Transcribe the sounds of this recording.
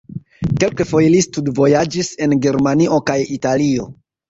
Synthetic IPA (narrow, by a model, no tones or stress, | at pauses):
ke̞lkefo̞jlistudvo̞jad͡ʒise̞nɡe̞ɾmanio̞kajitalio̞